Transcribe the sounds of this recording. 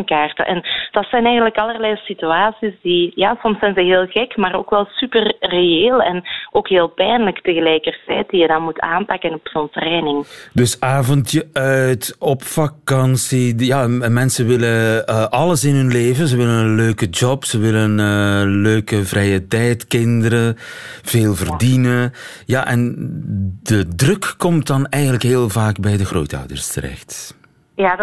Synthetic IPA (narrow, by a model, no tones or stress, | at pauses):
ŋkaːrtə̰ʔɛ̰nd̥ɑtsɛnɛjɣənləkɑlərlɛjsityaːsizdijaːsɔmsɛjnzəɦeːlˠɣɛkmaːɾo̰ːkʋɛlˠsypərreeːlˠɛ̰nʔoːkɦeːlˠpɛjnləktəɣəlɛjkərtɛjt̚d̥ijədɑnmuta̰ːmpakənɔpz̥ɔntrɛːnɪŋdɵsaːvɔntjəʔœtɔpfakɑnsijaːmɛnsəʋɪləʔɑləsɪnɦɵnleːvənzəʋɪlənənløːkəd͡ʒɔpsəʋɪləənəːløːkəvrɛjətɛjtkɪndəɾəv̥eːlˠvərdinə | jaʔɛn | dədrɵkːɔmt̚dɑnɛjɣənləkɦeːlˠvaːɡbɛjdəɣro̰ːtœ̰wdə̰rstə̰ɾɛ̰xt | ja